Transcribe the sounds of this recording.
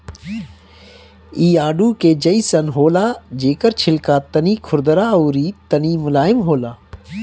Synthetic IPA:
iːaːɖuːkeːd͡ʒɐisɐnɦoːlaːd͡ʒeːkəɾt͡ʃʰɪlkaːt̪ɐniːkʰʊɾd̪əɾaːuːɾiːt̪ɐniːmʊlaːɪmɦoːlaː

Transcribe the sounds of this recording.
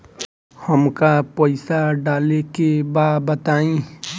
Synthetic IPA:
həmkapəɪsaɖaːlekebabət̪aːĩ

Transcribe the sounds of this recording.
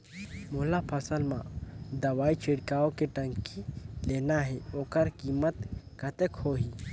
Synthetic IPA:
molapʰɐsəlmãd̪ɐʋaːit͡ʃʰeɽkaːokeʈəŋkileːnaɦɛoːkəɾkimət̪kət̪ekhoɦi

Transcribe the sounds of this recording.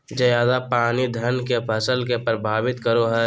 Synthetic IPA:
d͡ʒɐjaːd̪apaːnid̪ʱənkepʰəsəlkepɾəbʱaːʋɪt̪kəɾoɦɛː

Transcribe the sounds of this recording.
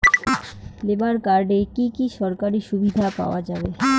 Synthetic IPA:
lebaɾkaɾɖekikiʃɔɾkaɾiʃubʱid̪ʱapa̰oad͡ʑabe

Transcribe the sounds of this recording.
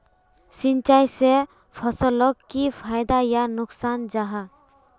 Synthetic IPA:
sint͡ʃajse | pʰɔsɔlɔkːipʰajd̪ajanʊksand͡ʒaɦa

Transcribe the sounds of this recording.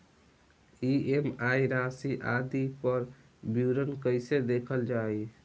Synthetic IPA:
iemajɾasiʔad̪ipəɾ | bjuɾənkəɪsed̪ekʰəld͡ʒaj

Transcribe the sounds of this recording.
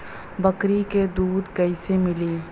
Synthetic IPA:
bɐkɾiked̪uːd̪kɐisemɪliː

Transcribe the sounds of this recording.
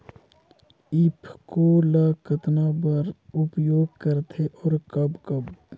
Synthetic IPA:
ɪpʰkolaːkət̪nabəɾʊpjoːɡ̚kɐɾt̪ʰeʔɔːɾkɐbkɐb

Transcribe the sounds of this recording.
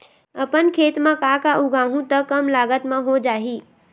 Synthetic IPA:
əpənkʰeːt̪mẽkakaʔʊɡʱaːɦũt̪əkːəmlaːɡət̪mẽɦod͡ʒaːɦi

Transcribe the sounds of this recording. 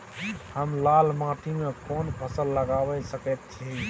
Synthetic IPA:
həmlalmãʈ̪ʰimekɔnpʰəsəlːəɡabɛsəkɛt̪̚t͡ʃʰi

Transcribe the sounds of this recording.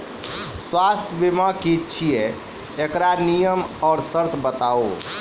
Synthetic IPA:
swast̪ʰjəbimakiːt͡ʃʰije | ekɾanijəmɔːɾsəɾt̪ʰbət̪ao̰

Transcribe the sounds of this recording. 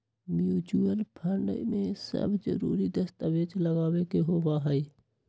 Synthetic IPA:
mjuːd͡ʒuəlpʰəɾɳɖəimẽsə̰bd͡ʒə̰ɾṵːɾid̪əst̪əʋeːt͡ʃləɡaːwekeɦoːbaɦəi

